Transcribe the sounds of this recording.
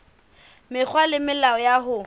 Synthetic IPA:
mɪk͡xʰwalɪmɪlaɔjaɦʊ

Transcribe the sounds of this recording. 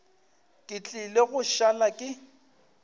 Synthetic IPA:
kʼɪt͡ɬʼɪleɣʊʃalakʼɪ

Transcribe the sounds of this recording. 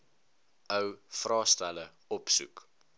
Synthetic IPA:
əwfrɑːstælə | ɔpsṵk

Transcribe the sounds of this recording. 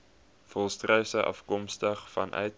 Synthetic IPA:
fɔlˠstrœɥsəʔɐ̰fkɔmstəχfɐ̰nʔœ̰ɥt̚

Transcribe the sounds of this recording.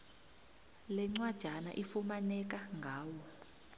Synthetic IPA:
lɛŋ͡ǀwad̥ʒ̥ʱana̰ʔifumanɛk̬aŋɡʱaːwɔ

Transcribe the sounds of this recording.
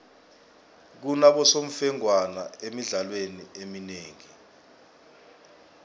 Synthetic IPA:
k̬unaɓɔsom̩fɛŋwana̰emiɮalweniemineːŋi

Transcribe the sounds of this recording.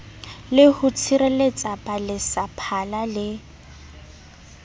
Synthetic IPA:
lɪhʊt͡sʰiɾelet͡sʼapʼalɪsapʰalalɪ

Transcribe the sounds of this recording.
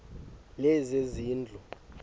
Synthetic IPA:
lɛzeziːnd͡ɮʱɔ

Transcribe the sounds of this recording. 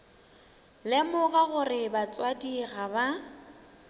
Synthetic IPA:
lɪmʊɣaɣʊrɪbat͡sʼwadiɣaba

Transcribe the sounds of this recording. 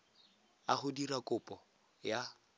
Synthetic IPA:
aχʊdirakʼʊpʼɔ | ja

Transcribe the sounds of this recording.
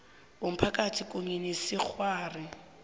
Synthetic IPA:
ʊm̩pʰakatʰikʼʊŋinisɪk͡xʰwaːrɪ

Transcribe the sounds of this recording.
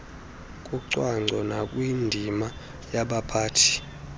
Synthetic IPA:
kʼuǀwaŋ͡ǀʱɔnakʼwindʱima | jaɓapʰaːtʰi̥

